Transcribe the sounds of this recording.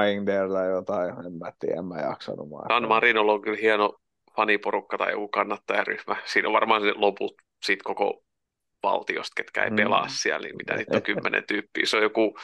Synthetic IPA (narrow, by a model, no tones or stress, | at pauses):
iŋdert̪ɑijot̪ɑiemːæt̪ːḭːḛmːæjɑ̰ksɑ̰numɑ̰sɑnmɑrinoloŋkylhiɛno | fɑniporukːɑt̪ɑijo̰kukɑnːɑt̪ːɑjɑryhmæsiːnoʋʋɑrmɑːseloput̪ | siːˑt̪koko̰ | ʋɑ̰lt̪io̰st̪ket̪kæḛipelɑ̰ssiælnḭmmit̪æ̰niːt̪ːokymːenḛnt̪yːpːḭːsojoku